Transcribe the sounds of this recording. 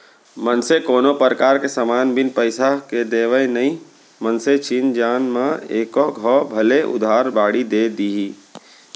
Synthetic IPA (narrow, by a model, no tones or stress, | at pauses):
mənsekoːnopəɾəkaːɾkesəmaːnbɪnpəɪsaked̪eːʋəenəɦĩ | mənset͡ʃiːnd͡ʒaːnmãeːkɔɡʱɔbʱɐleʔʊ̰d̪ʱaːɾbaːɽid̪eːd̪iːɦiː